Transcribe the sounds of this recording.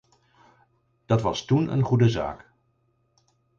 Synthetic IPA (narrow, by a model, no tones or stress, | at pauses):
d̥ɑtʋɑstunə̰nχudəza̰ːk